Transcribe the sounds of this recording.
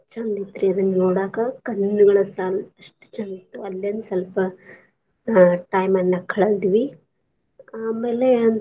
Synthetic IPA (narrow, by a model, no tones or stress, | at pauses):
t͡ʃɐnd̪it̪ːɾiɐd̪ɐnːɐnoːɽaːkɐkɐnːuɡɐɭɐsaːlɐʂʈt͡ʃɐnd̪it̪ːuɐlːjɐnusɐlpɐ | ʈɐːjmɐnːɐkʰɐɭɐld̪iʋi | aːmeːle